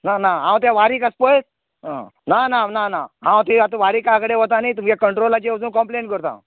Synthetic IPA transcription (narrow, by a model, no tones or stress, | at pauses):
nanaãw̃t̪jaʋaɾiːkaspəjt̪̚ | nananana̰ɦãw̃t̪iat̪ãʋaɾiːkakəɽeʋot̪anit̪umkakəɳʈɾolːad͡ʑewd͡zuːnkɔmpleɳʈkəɾt̪ã̰